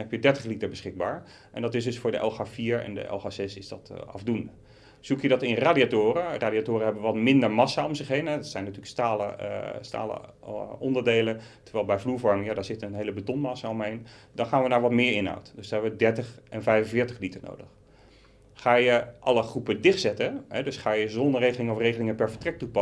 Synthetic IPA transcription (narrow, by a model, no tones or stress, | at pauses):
nɦɛpjədɛɹtəχlitəɹbəsχɪɡ̚ba̰ːɹ | ʔɛ̰ndɑtɪs̬zdɵsfʊːɹdə̰ʔɛ̰lˠχaːfiːɹɛ̰ndə̰ʔɛ̰lˠχaːzɛsɪzdɑtɑ̰vdundə | z̥ukjədɑtɪnraːdiatʊːɾəraːdiatʊːrəɦɛbəʋɑtmɪndəɹmɑsaɔmzɪχɦejnɦɛdɑtsɛjnatyːləkstaːlə̰sta̰ːlə̰ | ɔndəɹdejlətəɹʋɛjlˠbɛjvluːɹvɔɹmɪŋjaːdaːɹzɪtənɦejləbətɔnmɑsaɔmɦejn | dɑnχaːnʋənaːɹʋɑtmɪːɹɪnɦa̰wtd̥sdɦɛbəʋədɛɹtəχʔɛnvɛjvə̃nvɪːɹtəχlitəɹno̰wdəχ | χaːjəʔɑləχrupədɪχtsɛtəɦɛdɵsχaːjəzɔndəɹrejχəlɪŋəɔfrejχəlɪŋəpɛɹvəɹtrɛk̚tupɑ